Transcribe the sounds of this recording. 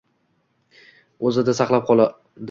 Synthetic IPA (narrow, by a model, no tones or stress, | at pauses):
ɵzɪd̪asɑqlˠap̚qʰɒlˠa | d̪